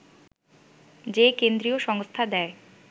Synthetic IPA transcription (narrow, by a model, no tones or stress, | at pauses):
d͡ʑekend̪ɾijoʃɔŋst̪ʰad̪ɛe